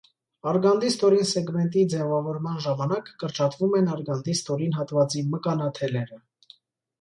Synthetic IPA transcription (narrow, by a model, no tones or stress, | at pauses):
ɑɾɡɑnd̪ist̪ɔɾinsɛɡmɛnt̪̬id͡zɛvɑvɔɾmɑnʒɑmɑnɑkːəɾt͡ʃɑt̪vumɛnɑɾɡɑnd̪ist̪ɔɾinɦɑt̪vɑt͡siməkɑnɑt̪ʰɛlɛɾə